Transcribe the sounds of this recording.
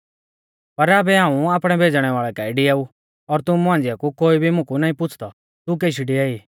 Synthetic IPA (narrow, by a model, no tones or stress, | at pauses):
pɐɾaːbɛɦãːũaːpɽ̃ɛbʱeːd͡zɽ̃ɛʋaːɭɛkaiɖiaːu | ɔɾt̪ʊmuɦãnd͡zɪjakukoːibʱimʊ̃kunaːĩpʊt͡sʰt̪ɔ | t̪uk̬eʃiɖiaːi